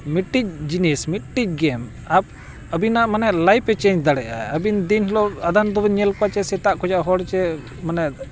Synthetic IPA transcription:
miʈːic̚d͡ʒinɛsmit̚ʈic̚ˀɡɛm | ab̚ | əbinaʔmanɛʔlajpɛt͡ʃɛ̃ɲd͡ʒd̪aɽɛʔa̰əbind̪inɦɛlɔad̪and̪ɔbɛɲɛlkɔat͡ʃɛsɛt̪aʔkɔd͡ʒaʔɦɔɽt͡ʃɛ | manɛʔ

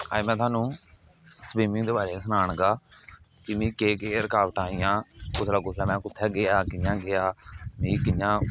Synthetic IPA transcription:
a̰ːmɛ̃ːt̪ʰaːnũː | spiːmɪ̃ŋd̪eːbaːɾeːsənaːɳ̃ɡaː | kimĩːkeːkeːɾkaːʋʈaːijãːkʊsɾaːkʊsʰɾaːmɛ̃ːkʊt̪ʰːɛːɡeaːkɪjãːɡɪaːmĩːkɪjãː

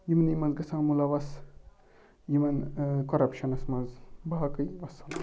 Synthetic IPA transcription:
jimnijmɐnzɡɐsãmulaʋɐs | jimɐnkoɾɐpʃɐnɐsmɐnzbɐɦɐkɐiʋɐsɐn

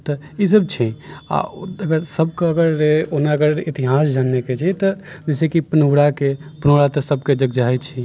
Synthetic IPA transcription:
t̪ɔ | isəb̚t͡ʃʰia̰əɡəɾsəb̚keəɡəɾeonaəɡəɾit̪iɦasd͡ʒanːeket͡ʃʰɛt̪ɔd͡ʒɛsekipənoɽakepənoɽat̪ɔsəb̚ked͡ʒəɡd͡ʒaɦt͡ʃʰi

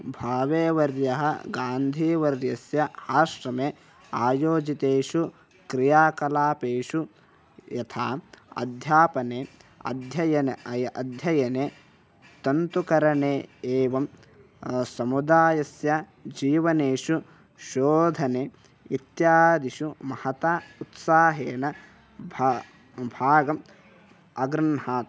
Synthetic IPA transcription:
bʱaːʋeːʋɐɾjɐɦɐ̰ɡaːnd̪ʱiːʋɐɾjɐsjɐaːʃɾɐmeː | aːjoːd͡ʒit̪eːʂu | kɾijaːkɐlaːpeːʂu | jɐt̪ʰaːɐ̰d̪ʱjaːpɐneːɐ̰d̪ʱjɐjɐneɐjʔɐd̪ʱjɐjɐneː | t̪ɐnt̪ukɐɾɐneːeːʋɐm | sɐmud̪aːjɐsjɐ | d͡ʒiːʋɐneːʂu | ʃoːd̪ʱɐneː | it̪jaːd̪iʃumɐhɐt̪aːut̪saːɦeːnɐ | b | bʱaːɡɐm | ɐɡɾɐnhaːt̪

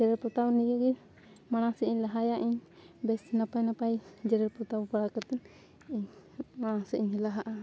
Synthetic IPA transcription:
d͡ʒɛɾɛɾpɔt̪awniɡɛɡi | maɽ̃asɛiɲlaɦajaʔiɲ | bɛsnapajnapajd͡ʒɛɾɛɾpɔt̪awbaɽakat̪ɛn | iɲmañasɛiɲhɛlaɦaʔa

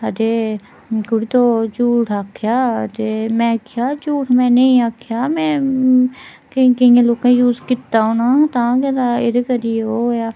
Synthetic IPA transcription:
ət̪eː | kʊɽit̪oːt͡ʃuːʈʰaːkʰjaːt̪eːmɛ̃kʰjaːt͡ʃuːʈʰmɛ̃ːneĩaːkʰjaːmɛ̃ː | kĩkəĩẽloːkẽjuːzkɪt̪ːaːonaːt̪ãːket̪aːɪd̪kəɾioːjaː

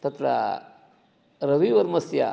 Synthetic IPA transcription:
t̪ɐt̪ɾa̰ | ɾɐʋiʋɐɾmɐsja̰

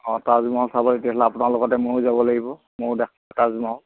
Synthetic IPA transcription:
ɔ̃tazmaɦlsabɔitiatlaːpʊnalɔɡɔtɛmʊɹzabɔlaɡibɔ | mʊɹdɛkʰlɛtazmaɔl

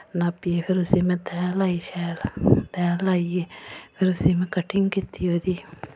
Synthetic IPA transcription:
napːiepʰɪɾʊsiːmɛ̃t̪ɛ̃ːlaːiʃɛːlt̪ɛ̃ːlaːieːpʰɪɾʊsiːmɛ̃kəʈʰɪŋɡkɪt̪ːijoːd̪iː

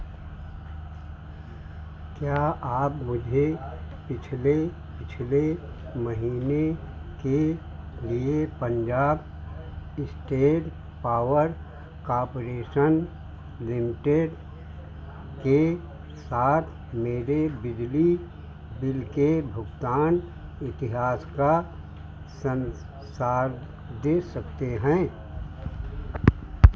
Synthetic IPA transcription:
kjaaːpmʊd͡ʒʱe | pɪt͡ʃʰle | pɪt͡ʃʰle | məɦiːne | ke | liepə̃ɲd͡ʒaːb | ɪsʈeːʈ | paːʋəɾ | kaːɾpoɾeːʃən | lɪmɪʈeɖ | ke | saːt̪ʰ | meːɾebɪd͡ʒli | bɪlkebʱʊɡt̪aːn | ɪt̪ɪɦaːska | sən | saːɾ | d̪eːsɐkt̪eɦɛ̃ː

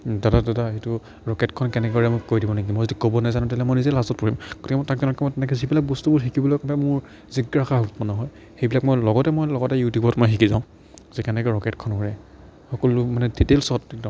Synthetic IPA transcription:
datadataejtʊ | ɹɔkɛtkʰɔnkɛnɛkɛɔɹamojkojdibɔnaɡimojzodikobɔnajzanʊ̃talɛmɔjnizɛlastɔt̚pɔɹimɡ̥otʰikɛmɔjtakzɔnɔkɛmɔjtɛnɛkɛzibilak̚bɔstubʊɹxikibɔlɔkɔpɛmʊɹ | ziɡɹaxaɦutmɔnɔɦɔj | xejbilak̚mojlɔɡɔtɛmɔjlɔɡɔtɛjutjubɔtmɔjxikizaʊ̃ | zɛkɛnɛkɛɹɔkɛtkʰɔnkɔɹɛ | xɔkɔlʊmanɛditelsɔtd

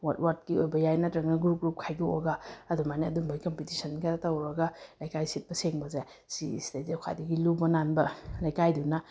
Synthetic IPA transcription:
wat̚wat̚kiojbɐjajnatɾɐŋnɐɡɾuɡɾup̚kʰajɡio̰ɡaːdumaniɐdumbajkɐmpitisɐnɡɐtawɾɐɡalajkajsit̚pɐseŋbɐza | sḭstezekʰa̰jdɐɡilubɐnanbɐlajkajduna

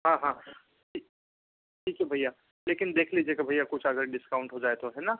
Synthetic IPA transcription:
ɦãːɦãː | ʈʰiː | ʈʰiːkɦɛbʱaijːaː | leːkɪnd̪eːkʰliːd͡ʒeːkebʱajːakʊt͡ʃʰɐɡəɾɖɪskaːʊ̃ɳʈɦod͡ʒaːet̪oɦɛna

